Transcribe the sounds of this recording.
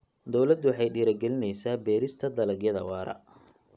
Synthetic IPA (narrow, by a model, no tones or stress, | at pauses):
d̪ɔwlɐd̪wħɑjɖiːɾɐɡɛlɪnɛjsaːbɛːɾɪst̪ʰɐd̪ɐlɐɡjɐðɐwɑːɾɐ̰